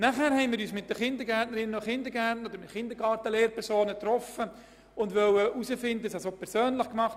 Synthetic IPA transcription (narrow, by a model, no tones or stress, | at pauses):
næχhæːɾhɛɪnmiːɾyːsmɪt̚d̥̪əχɪnd̪əɾɡætnəɾɪnəoχɪnd̪əɡætnəod̥̪əɾmɪtχɪnd̪əɾɡɑːɾtəleːɾpɛɾsoːnət̪rɔfə | ʊndʋœwəʔusəfɪndəəsɛsoːpʰɛɾsøːnlɪχkmɑχt